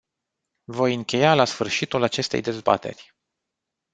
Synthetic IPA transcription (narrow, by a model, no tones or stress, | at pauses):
vo̞jɨŋkʲe̞jalasfɨrʃit̪ulat͡ʃe̞st̪e̞̰jd̪e̞zba̰t̪e̞̰rʲ